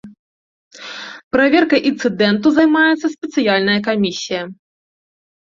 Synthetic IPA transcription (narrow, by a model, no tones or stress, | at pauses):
pɾavʲɛrkɐʔint̪sɨd̪ɛnt̪̬uzɐjmajɛt̪sːɐsʲpʲɛt̪sɨjalʲnɐjɐkamʲisʲijɐ